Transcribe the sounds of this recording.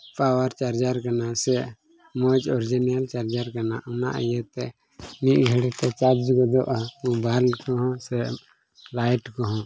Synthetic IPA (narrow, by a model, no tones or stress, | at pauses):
pawaɾt͡ʃaɾd͡ʒaɾkanasɛʔ | mɔd͡ʒɔɾd͡ʒɛnijalt͡ʃaɾd͡ʒaɾkanaʔuna̰ʔə̰jɛt̪ɛ | niʔ̪̚ɡʱɛɽɛt̪ɛt͡ʃaɾd͡ʒɡɔd̪ɔʔaubalkɔɦɔ̃sɛʔ | lajʈkɔɦɔ̃